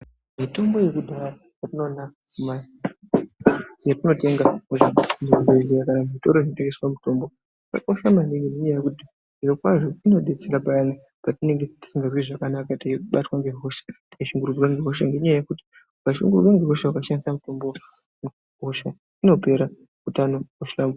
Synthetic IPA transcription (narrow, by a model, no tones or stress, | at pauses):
mito̞mbo̞je̞kudʱaa | jatino̞ːna | ma | jatino̞te̞ŋɡamuʐamurubelejakanamito̞ɾo̞inote̞ŋɡeswamuto̞mbo̞ | ika̰ko̞ʃamaniɡendeɲajajekuti | ʐiro̞kwaʐo̞ino̞ɗe̞t͡seɾapaana | patine̞ŋɡeti̥siŋɡarwiʐakanakatajikuɓatwaŋɡeɦo̞ʃḁtikaʃuŋɡururwaŋɡeɦo̞ʃaŋɡeɲajajekuti̥ | ukaʃḭŋɡururwaŋɡeɦoʃawakaʃandisamuto̞mbo | ŋ | ɦo̞ʃa | ino̞pe̞ɾa | kutanokuʃam